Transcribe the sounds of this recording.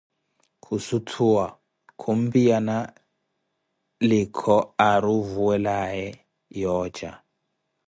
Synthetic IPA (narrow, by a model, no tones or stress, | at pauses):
kʰusutʰuwa | kʰum̩bijana | likʰɔaɾuvuwɛlajɛ | jɔːd͡ʒa